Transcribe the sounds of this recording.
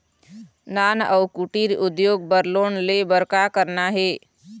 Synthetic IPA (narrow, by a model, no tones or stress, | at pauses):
nanəwkuʈiɾud̪joɡ̚bəɾlonlebəɾkakəɾnaɦe